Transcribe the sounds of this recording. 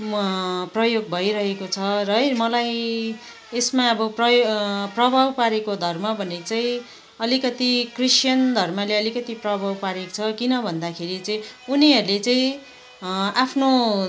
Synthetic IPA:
prʌjoɡ̚bʱʌjɾʌɦekot͡sʰʌɾʌɦʌjmʌlaj | esmaʌbʌprʌjprʌbʱawpaɾekod̪ʱʌrmʌbʱʌnet͡saĩ | ʌlikʌt̪ikrisjʌnd̪ʱʌrmʌleʌlikʌt̪iprʌbʱawpaɾekt͡sʰʌkinʌbʱʌnd̪akʰeɾit͡saĩuniɦʌɾulet͡saĩ | apʰno

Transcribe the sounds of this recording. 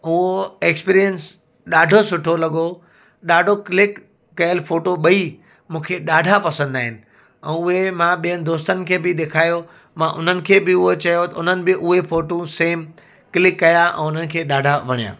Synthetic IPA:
ʊɦoekspiːɾijəns | ɗaːɖʱosʊʈʰolɐɠo | ɗaːɖʱoklɪkː | ɐjəlfoːʈoɓɐi | mũːkʰeɗaːɖʱapɐsə̃nd̪aːɦɪnɪ̆ | ɛ̃ːʊɦemãɓijəñɪ̆d̪oːst̪ənɪ̆kʰeːbɪɗ̪eːkʰaːjo | mãʔʊn̤ənɪ̆kʰeːbɪʊɦot͡ɕɐjot̪ɐʊn̤ənɪ̆bɪʔʊɦefoːʈũseːm | kɪlɪkːɐjaʔɛ̰̃ːʊn̤ənɪ̆kʰeːɗaːɖʱaʋɐɽ̃ijã̰ː

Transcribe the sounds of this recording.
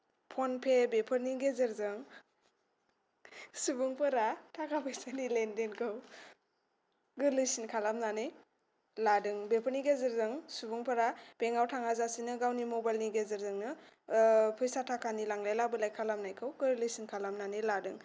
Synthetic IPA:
pʰɔnpʰebepʰɯɾniɡezɯɾzɯŋ | subuŋpʰɯɾatʰakʰapʰɯjsanilendenkʰɯw | ɡɯɾlɯjsinkʰalamnanɯj | ladɯŋbepʰəɾniɡezɯɾzɯŋsubuŋpʰɯɾab̥eŋawtʰaŋazasinɯɡawnimɔbajlniɡezɯɾzɯŋnɯ | pʰɯjsatʰakʰanilaŋlajlabɯlajkʰalamnajkʰɯwɡɯɾlɯjsinkʰalamnanɯjladɯŋ

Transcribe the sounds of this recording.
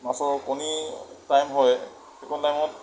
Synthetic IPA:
masɔɹkɔnitajmɦɔj | ɛkɔtajmɔt

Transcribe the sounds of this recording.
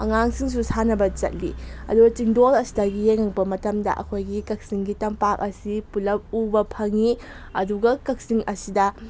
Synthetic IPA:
ɐ̰ŋaŋsiŋs̬usanɐbɐt͡ʃɐ̰t̚lḭɐ̰duɡɐt͡ʃiŋdolɐsi̥dɐɡijeŋɐŋpɐmɐtɐmdɐ̰ʔɐ̰kʰojɡikɐk̚siŋɡitɐmpak̚ɐsipulɐp̚ubɐpʰɐŋi | ɐduɡɐkɐk̚siŋʔɐsidɐ

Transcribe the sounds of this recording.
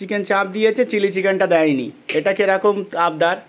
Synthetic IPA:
ikent͡ɕãp̚d̪ijet͡ɕʰet͡ɕilit͡ɕikenʈad̪ɛjnḭeʈakeɾakomab̚d̪aɾ

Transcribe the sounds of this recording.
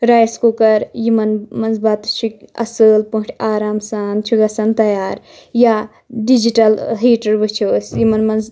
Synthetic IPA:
ɾaːjskokɐɾjimɐnmɐnzbaːt̪ʃikɐ̰səːlpuʈʰʲaːɾaːmsaːnt͡ʃʰuɡɐsɐnt̪ɐjaːɾ | ja | ɖid͡ʒiʈɐlɦiːʈɐɾbɨt͡ʃʰoːsjimɐnmɐnz

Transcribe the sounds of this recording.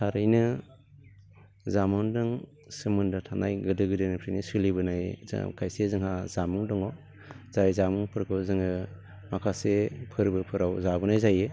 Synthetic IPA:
tʰaɾɯjnɯ | zamɔŋdɯŋ | sɯmɯndɯtʰanajɡɯdɯɡɯdɯnɯpʰɾinisɯlibɯnaj̰kʰajsezɯŋhazamuŋdɔŋɔ | z̥ajzamuŋpʰɯɾkʰɯzɯŋɯ | makʰasepʰɯɾbɯpʰɯɾawzabɯnajzajɯ

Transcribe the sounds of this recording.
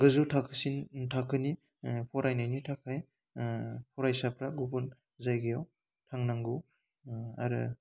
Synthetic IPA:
ɡɯzutʰakʰɯsintʰakʰɯni | pʰɔɾajnajnitʰakʰaj | pʰɔɾajsapɾaɡubun | zajɡijaw | tʰaŋnaŋɡu | a̰ɾɯ̰

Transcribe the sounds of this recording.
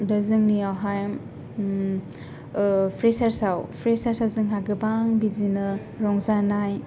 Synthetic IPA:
dɐzɯŋniawɦaj | pʰɾesaɾsawpʰɾesaɾsawzɯŋɦaɡɯbaŋbizinɯ | ɾɔŋzanaj

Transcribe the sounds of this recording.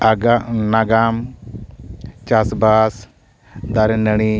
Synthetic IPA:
aɡanaɡam | t͡ʃasbas | d̪aɾenəɽ̃i

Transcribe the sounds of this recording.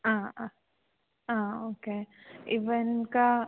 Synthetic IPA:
ãː | ãːoːkeːɪʋənka

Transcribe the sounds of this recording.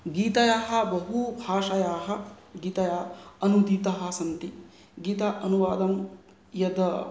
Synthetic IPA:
ɡiːt̪ɐjaːɦɐ̆bɐɦubʱaːʃɐjaːɦɐ̆ | ɡiːt̪ɐjaːɐnud̪iːt̪ɐɦɐ̆sɐnt̪i | ɡiːt̪ɐʔɐnuʋaːd̪ɐm | jɐd̪ɐ

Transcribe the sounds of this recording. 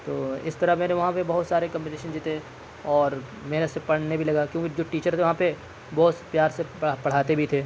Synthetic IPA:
t̪oːɪ̰st̪ɐɾəmɛːneʋɐɦãpebɐɦʊt̪saːɾekɐ̃mpineːʃənd͡ʒ̪iːt̪ee | ɔːɾ | mɛːnesepɐɽ̤nebʱilɐɡaːkjõːkid͡ʒoːʈiːt͡ʃəɾt̪ʰeʋɐɦãpe | bɔːt̪pjaːɾsepɐɽ̤aːt̪ebʱit̪ʰeː

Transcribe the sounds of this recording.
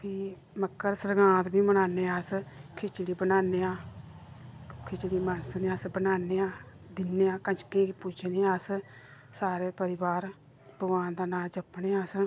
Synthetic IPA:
pʰiː | məkːəɾsəɾɡãːt̪bʱiːmənaːneːaːskʰɪt͡ʃɽiːbənaːneːãː | kʰɪt͡ʃɽiːmənsneaːsbənaːneːãː | d̪ɪnːeːãːkət͡ʃkẽːkpʊt͡ʃʰneːaːs | saːɾeːpəɾɪbaːɾ | bəɡãːnd̪aːnaːd͡ʒəpneːaːs

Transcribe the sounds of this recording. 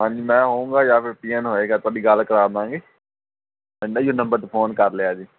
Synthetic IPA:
ɦãːɲd͡ʒiːmɛ̃ːɦoːũːŋɡaːjaːpʰɪɾpiːənɦoːeːɡaːt̪ʊaːɖiːɡəlkəɾaːd̪ãːŋɡeː | ɪ̃ɳɖaːjoːnə̃mbəɾt̪pʰoːnkəɾleaːd͡ʒiː

